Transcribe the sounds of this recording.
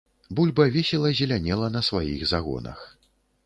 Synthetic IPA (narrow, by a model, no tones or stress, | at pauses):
bulʲbɐvʲɛsʲɛlˠɐzʲɛlʲanʲɛlˠɐnɐsvajiɣzaɣɔ̰nɐ̰x